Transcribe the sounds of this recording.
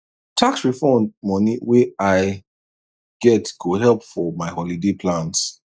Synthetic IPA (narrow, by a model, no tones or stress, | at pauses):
tʰaksɹifɔ̃nmɔniwiaɪ | ɡ̥ɛtɡ̥oɦɛlˠpfɔmaɪhɔlidepʰlãns